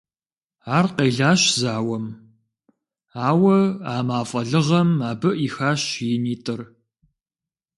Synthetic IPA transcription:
aːrqeːɮaːɕzaːwɐm | aːwɐaːmaːfʼɐɮɨʁɐmaːbɨʔixaːɕjɪniːtʼɨr

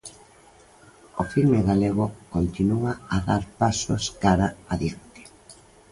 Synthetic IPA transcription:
ofilmeɣaleɣʊkont̪inuaaðaɾpaso̰skaɾaaðikt̪e̥

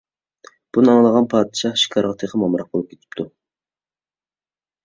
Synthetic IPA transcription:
b̥unɨɑŋlˠəʁɑnpʰɑːd̪ɨʃɑʃi̥kʰɑɾʁɑt̪ʰeχʰəmɑmɾɑq̚bolˠup̚kʲʰe̥t̪ʰɪ̥p̚t̪ʰu

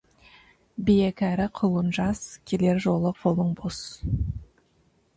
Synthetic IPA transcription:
bijekʲæɾɪqʰʊlˠənʒɑskʲʰele̞ɾʒo̞lˠəqʰolˠəɴbos

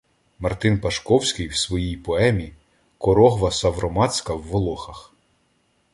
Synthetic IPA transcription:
mɐrt̪ɪnpɐʃkɔwsʲkɪjwsʋɔjijpɔɛmʲi | kɔɾɔɦʋɐsɐʋɾɔmɑt͡sʲkɐwːɔlˠɔxɐx

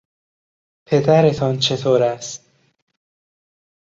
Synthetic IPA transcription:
pʰe̞d̪æɾe̞t̪ʰɒnt͡ʃʰe̞t̪ʰoːɾæst̪̚

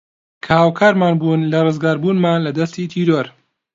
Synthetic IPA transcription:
kʰɐhaːwkʰaːɾmaːnbuːnlɐrˤɨzɡaːɾbuːnmaːnlɐd̪ɐst̪iːt̪ʰiːɾoɾ

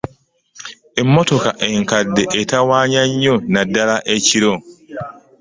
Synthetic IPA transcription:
emːotokaʔe̞ŋkadːeʔetawaːɲaɲːonadalaʔeciɾo

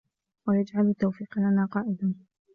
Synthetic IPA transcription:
wajad͡ʒʕalʊt̪ːawfiːqlanaːqɑːʔɪd̪an

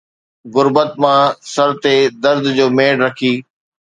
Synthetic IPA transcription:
ɣʊɾbət̪mãsɐɾt̪ed̪ɐɾd̪ʱd͡ʑoːmeːɖɾɐkʰiː

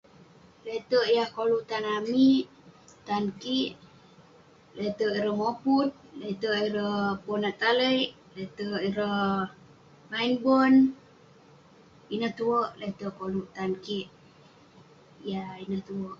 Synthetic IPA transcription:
let̪əʔjahkoluʔt̪anamiʔ | t̪ankiʔ | let̪əʔiɾəmoput̪̚let̪əʔiɾəhponaʔt̪aləiʔ | let̪əiɾəh | mainbən | inəht̪uwəʔlet̪əʔkoluʔt̪ankiʔ | jainəht̪uəʔ

